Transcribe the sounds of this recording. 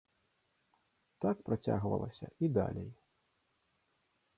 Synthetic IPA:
t̪ak̚pɾat͡sʲa̰ɣvɐ̰lˠɐsʲɐʔid̪a̰lʲej

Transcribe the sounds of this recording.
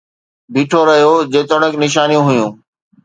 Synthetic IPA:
biːʈʰoɾɐɦijod͡ʑeːt̪əɽ̃əknɪʃ̬aːnijũɦʊjũː

